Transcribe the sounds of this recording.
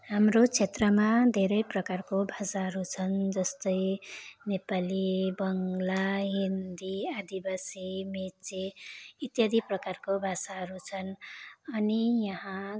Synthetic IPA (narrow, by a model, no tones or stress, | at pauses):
hamrot͡sʰet̪rʌmad̪ʱeɾʌjprʌkarkobʱasaɦʌɾut͡sʰʌnd͡zʌst̪ʌjnepalibʌŋlaaɦind̪iad̪ibasimet͡seit̪jad̪ʱiprʌkarkobʱasaɦʌɾut͡sʰʌnʌnijʌɦã